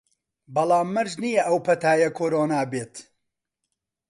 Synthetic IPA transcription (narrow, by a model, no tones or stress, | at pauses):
bɐlˠaːmːɐɾʒnijɐʔɐwpʰɐt̪aːjɐkʰoːɾoːnaːbeːt̪